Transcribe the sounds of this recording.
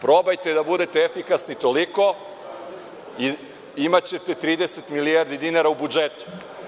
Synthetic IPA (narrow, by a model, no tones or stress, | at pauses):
pɾo̞bajt̪ed̪abud̪e̞t̪eefikasnit̪o̞liko̞ | i | imat͡ɕe̞t̪e̞t̪ɾiːd̪e̞set̪milijaɾd̪id̪inaɾaubud͡ʒet̪u̥